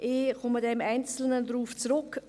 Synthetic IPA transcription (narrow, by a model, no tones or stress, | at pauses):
ʔeːχʊmədɛmaɪnt͡sl̩nədɾuːft͡sɾʊk